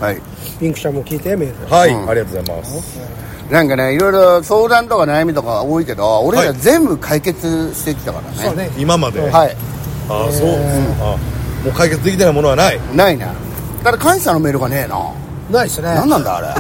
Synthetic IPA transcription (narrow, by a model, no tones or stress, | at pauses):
haḭ | pʲĩŋkɯ̟̥ɕamokʲiːt̪emeːɾɯhaiaɾʲiɡat̪oːzaima̰s | nãŋkane̞iɾo̞iɾo̞so̞ːd̪ãnt̪o̞kanajamʲit̪o̞kaoːike̞d̪o̞ːɾeazẽ̞mbɯ̟kʰaike̞t͡sɨɕi̥t̪e̞kʲi̥t̪aka̰ɾa̰neoimamad̪ehai | asõːamoːkaike̞t͡sɨd̪ekʲit̪enaimo̞no̞anainainḛ | kad̪ɾakãɰ̃ɕano̞me̞ːɾɯ̟ɡane̞ːna̰ | naisnenãnːãnd̪a̰ːɾḛ